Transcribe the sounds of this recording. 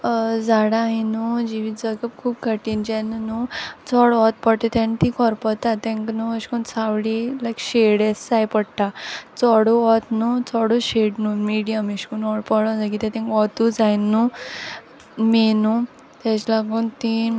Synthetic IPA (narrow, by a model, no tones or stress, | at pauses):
d͡zaɽaɦinud͡ʑiʋid͡zəɡəpkʰuːpkəʈiːnd͡ʑɛnnut͡sɔɽɔt̪̚pəɽʈ̪et̪ɛ̃nt̪ĩkɔɾpɔt̪at̪ɛ̃ŋknuəɕkunt͡sʰaʋɽilakɕeɽesd͡zajpəɽʈat͡sɔɽuɔt̪nut͡sɔɽuɕeɽnunmiɽijəmiɕkunɔɽpɔɽɔ̃d͡zajkit̪ɛt̪ɛ̃ŋkɔt̪ud͡zajnu | menu | t̪ɛt͡ɕlaɡunt̪i